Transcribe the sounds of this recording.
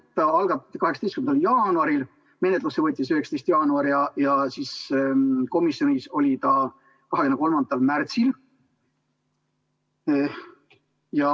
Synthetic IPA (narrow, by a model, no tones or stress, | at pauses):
t̪ɑɑlɡ̥ɑtkɑheksɑt̪est̪kymend̪ɑljɑːnuɑɾil | me̞net̪lusːevɤt̪ʲːˑisyheksɑ̥t̪est̪jɑːnuɑɾjɑjɑsis | ko̞misjo̞nʲiso̞lʲit̪ɑ | kɑɦekyneko̞lmɑnd̪̥ɑlmært̪sil | jɑ